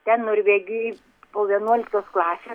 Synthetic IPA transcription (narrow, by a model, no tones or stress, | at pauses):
t̪ʲɛnnʊɾʲʋʲeːɡʲɪ | poːʋʲiɛnuɔlʲɪk̚t̪oːsklˠɑːsʲe